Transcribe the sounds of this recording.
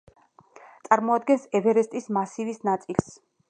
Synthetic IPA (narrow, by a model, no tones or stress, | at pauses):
t̪sʼaɾmɔad̪̚ɡɛnsɛvɛɾɛst̪ʼismasivisnat̪sʼils